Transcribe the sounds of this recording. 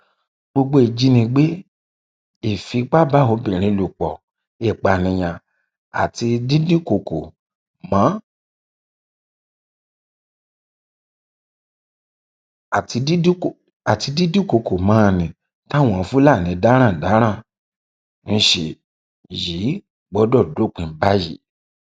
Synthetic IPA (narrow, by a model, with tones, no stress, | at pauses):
ɡ͡bo˧ɡ͡bo˧˦e˨d͡ʒi˧nĩ˧ɡ͡be˦ | i˨fi˧k͡pa˦ba˦˨o˨˧˦bĩ˨ɾ̃ĩ˧˦˧lu˨k͡pɔ˨ | ɛ˦˨k͡pa˨nĩ˧˨j̃ã˧ | a̰˨ti˧di˦di˦ko˨ko˨ | mã˨˦˨ | ti˧i˦˨ | a˨ti˧di˦di˦ko˨˧ko˨mãː˨˦˧nĩ˨ | ta˦˨w̃ɔ̃˧˨˧fu˦la˦˨nĩ˨˦da˦ɾ̃ã˦˨da˨˦ɾ̃ã˦˨ | n̩˧ʃe˧˨ | ji˨˦ | ɡ͡bɔ˦dɔ˦˨do˨˦˨k͡pĩ˧˦ba˦ji˨˦